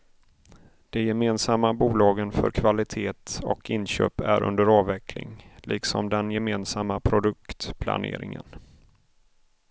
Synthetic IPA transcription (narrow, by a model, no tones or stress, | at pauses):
d̪̥ɛjɛmeːnsamːabuːlɑːɡənfœ̰ɾkʰvalɪt̪ʰeːt̪ɔ̰kʰɪnɕøːpæɾɵ̰nd̪əɾɑːvɛkʰlɪ̰ŋlʔɪksɔmd̪ɛnjɛmeːnsamːapʰɾʊd̪ɵk̚t̪pʰla̰nḛːɾɪŋə̰n